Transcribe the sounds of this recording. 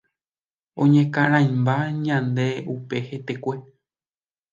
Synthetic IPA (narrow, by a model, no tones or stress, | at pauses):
õ̰ɲẽkãɾ̃ãjmbaɲãnd̪eupe̞het̪ekʷe